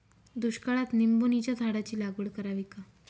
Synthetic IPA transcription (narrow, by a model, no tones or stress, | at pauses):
d̪uɕkaɭat̪nimbonit͡ɕjat̪ʰaɽat͡ɕiːlaɡuɽkəɾaʋika